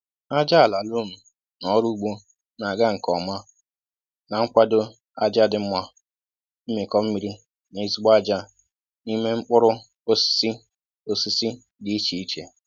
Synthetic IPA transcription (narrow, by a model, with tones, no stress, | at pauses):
a˦d͡ʒa˦a˨la˨lo˦m̩˨ | nɔ˦ɾu˦u˦ɡ͡bo˦ | na˨ɡa˦ŋ̩˨kɔ˨ma˦ | na˨ŋ͡m̩˦kʷa˦do˦ | a˦d͡ʒa˦dɪ˨˦m̩˦mʷa˦ | m̩˦mi˨kɔ˦m̩˦mi˨˦ɾi˦ | nɪ˨˦zi˦ɡ͡ba˦d͡ʒa˦ | ni˦me˦ŋ͡m̩˦k͡pʊ˦ɾʊ˦ | o˦si̥˦si˦ | o˦si˦si˦ | di˦i˦t͡ʃi˨i˦t͡ʃe˨